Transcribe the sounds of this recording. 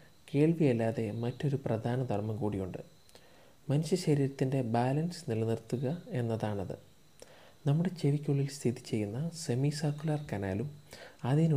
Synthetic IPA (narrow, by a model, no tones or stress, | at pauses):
ke̞ːɭʋijɐlːaːðe̞mɐtːo̞ɾuprɐd̪ʱaːnɐd̪ʱɐrmɐmkuːɽijuɳɖɨ | mɐnuɕɐɕɐɾiːɾɐt̪ːinde̞baːlɐnsnilɐnirt̪ːuɣɐe̞nːɐðaːɳɐðɨ̰ | nɐmːuɽe̞t͡ɕeʋikʲːuɭːilst̪ʰiðit͡ɕːe̞jːunːɐse̞misɐrkːulaːrkɐna̰ːlumɐðin